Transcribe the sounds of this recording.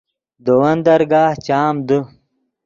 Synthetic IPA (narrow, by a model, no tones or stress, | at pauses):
d̪owɐnd̪ɐɾɡaːht͡ɕaːmd̪u